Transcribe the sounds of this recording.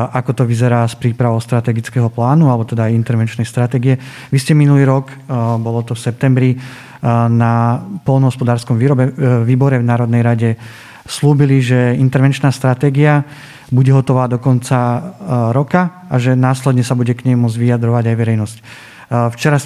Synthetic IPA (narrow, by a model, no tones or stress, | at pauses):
ʔakɔt̪ɔʋizɛɾaːspɾiːpɾaʋɔʊst̪ɾat̪ɛɡit͡skɛɦɔplaːnualɛbɔt̪ɛd̪aːjint̪ɛɾʋɛnt͡ʃnɛjst̪ɾat̪ɛːɡiɛ | ʋiscɛminuliːɾɔk | bɔlɔt̪ɔfsɛp̚t̪ɛmbɾi | napɔlnɔɦɔspɔd̪aːɾskɔmʋiːɾɔbɛʋiːbɔɾɛvnaːɾɔd̪nɛjɾaɟɛ | sluːbiliʒɛint̪ɛɾʋɛnt͡ʃnaːst̪ɾat̪ɛːɡia | buɟɛɦɔt̪ɔʋaːd̪ɔkɔnt͡saɾɔka | aʒɛnaːslɛd̪ɲɛsabuɟɛkɲɛmmːʊɔd͡zɟʋiad̪ɾɔʋaɟajʋɛɾɛjnɔsc | ft͡ʃɛɾas